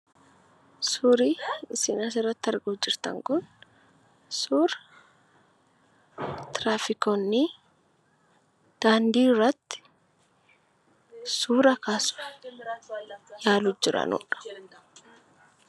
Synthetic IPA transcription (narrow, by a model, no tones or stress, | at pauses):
suːɾiːɪsɪnɐs̬ɪrːɐt̪ːɪɐɾɡoːd͡ʒɪɾt̪ɐ̰ŋkʊn | suːɾ | t̪ɾaːfɪkonːi | d̪̥aːnd̪iːrːɐt̪ːɪ̥ | suːɾɐkaːsʊ̥ | jaːlʊd͡ʒɪɾɐ̰nṵːᶑɐ̥